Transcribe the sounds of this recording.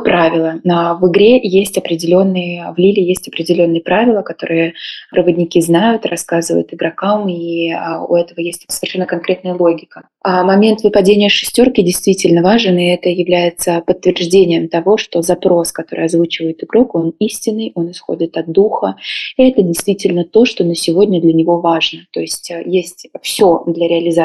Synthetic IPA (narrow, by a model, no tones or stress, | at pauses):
pɾʔavʲɪlˠənəvɨɡɾʲe̞jesʲtʲɐpɾʲɪdʲɪlʲo̞nːɨjəvlʲilʲɪjesʲtʲɐpɾʲɪdʲɪlʲo̞nːɨjəpɾavʲɪlˠəkɐt̪o̞̰ɾɨjərɨvəd̪ʲnʲɪkʲiznajʊt̪rɐ̰skazɨvə̰jʊ̰t̪ɨɡɾɐkamiʊ̰ɛt̪əvəjesʲtʲsə̥vʲɪrʂɛnːəkɐnkɾʲet̪nəjəlˠo̞ɡʲɪkə | amɐmʲe̞nt̪vɨpɐdʲenʲɪjəʂɨsʲtʲo̞rkʲɪdʲɪjst̪vʲitʲɪlʲnəvaʐɨnɪɛt̪əjɪvlʲæjɪt̪səpət̪ːvʲɪrʐdʲenʲɪjəmt̪ɐvo̞ʂt̪o̞zɐpɾo̞skɐt̪o̞̰ɾɨ̰jɐzvut͡ɕɪvəjɪt̪ɨɡɾo̞ko̞nisʲtʲɪnːɨjʔo̞nɨsxo̞̰dʲɪt̪ɐd̪̚d̪uxəɛt̪ədʲɪjst̪vʲitʲɪlʲnət̪o̞ʂt̪o̞nəsʲɪvo̞dʲnʲəd̪lʲənʲɪvo̞vaʐnət̪o̞ɪsʲtʲjesʲtʲfsʲod̪lʲəɾʲɪɐlʲɪza